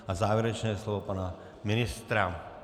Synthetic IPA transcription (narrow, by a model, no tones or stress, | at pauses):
azaːʋjɛɾɛt͡ʃnɛːslɔʋɔpana | mɪnɪst̪ɾa